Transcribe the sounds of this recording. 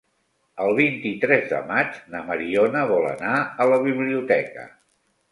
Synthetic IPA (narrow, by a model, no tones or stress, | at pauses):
əlˠβint̪it̪ɾɛzðə̰mad͡ʒnəməɾionəβɔlə̰naələβiβliut̪ɛkə̰